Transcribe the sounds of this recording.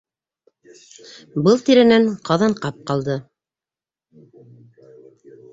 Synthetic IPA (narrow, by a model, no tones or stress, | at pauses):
bɤlˠt̪iɾɘ̆næɴqʰɑðɑɴqɑp̚qɑlˠd̪ɤ